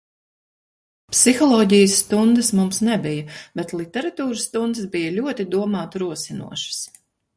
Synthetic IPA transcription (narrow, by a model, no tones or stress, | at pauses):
psixɔlˠɔːɟijəsːt̪und̪ɐsmumsnɛbijɐbɛt̪lˠit̪ɛɾat̪uːɾɨst̪und̪ɨsbijɐlʲuɔt̪id̪uɔmaːt̪ɾuɔsinṵɔʃɐ̥s